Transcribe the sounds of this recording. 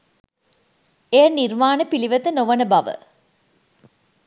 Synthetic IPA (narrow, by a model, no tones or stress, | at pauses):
eːnirmaːnəpiliʋɐt̪ənoʋɐnəbɐʋə̰